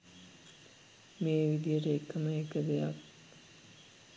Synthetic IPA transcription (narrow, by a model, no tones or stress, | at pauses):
meːʋid̪ijəʈəekːəməekəd̪ejak